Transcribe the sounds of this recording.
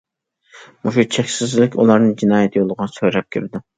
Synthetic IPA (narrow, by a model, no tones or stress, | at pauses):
muʃut͡ʃʰɛkʲsɪzlɪkʲṵlˠɑɾnɨd͡ʒinɑːjɛt̪ʰjolˠəʁɑsøɾɛp̚kʲʰɪɾɪd̪u